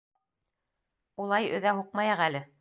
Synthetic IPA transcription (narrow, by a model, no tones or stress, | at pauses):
ulˠɑjɵ̰̆ðæɦuq̚mɑjɑʁælɘ